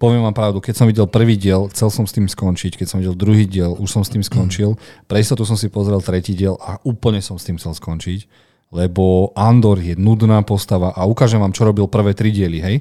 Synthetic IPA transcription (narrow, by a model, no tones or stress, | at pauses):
pɔʋɪɛmʋaːmpɾaʊd̪ukɛsɔmʋiɟɛlpr̩ʋiːɟɪɛlxt͡sɛlsɔmst̪iːmskɔnt͡ʃickɛcsɔ̃mʋiɟɛld̪ɾuɦiːɟɪɛluʃsɔmst̪iːmskɔnt͡ʃilpɾɛist̪ɔt̪us̬ɔmsipɔzɾɛlt̪ɾɛciːɟɪɛlʔaʔuːpl̩ɲɛsɔmxst̪iːmxt͡sɛlskɔnt͡ʃic | lɛbɔʔand̪ɔɾjɛnud̪naːpɔst̪aʋaʔaukaːʒɛmʋaːmt͡ʃɔɾɔbilpr̩ʋɛːt̪ɾiɟɪɛliɦɛj